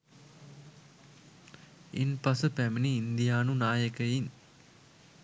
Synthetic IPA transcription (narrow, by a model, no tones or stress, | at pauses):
inpasəpæminiːnd̪ijaːnunaːjəkəjin